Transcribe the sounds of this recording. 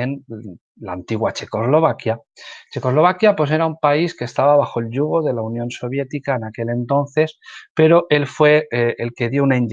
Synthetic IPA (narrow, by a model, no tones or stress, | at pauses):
en | la̰ːnt̪iɣwat͡ʃe̞ko̞zlo̞βakja | t͡ʃe̞ko̞zlo̞β̞akjapwo̞s̬e̞ɾaumpaiskest̪aβaβaxo̞e̞lʎuɣ̞o̞ðe̞launjõ̞nso̞βje̞t̪ikaenake̞le̞nt̪o̞nθe̞spe̞ɾo̞ʔe̞lfwe̞elke̞ðjo̞unaind